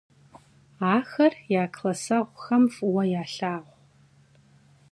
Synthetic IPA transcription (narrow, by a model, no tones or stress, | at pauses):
aːxɐrjaːkʰlɐsɐʁʷxɐmfwɐjaːɬaːʁʷ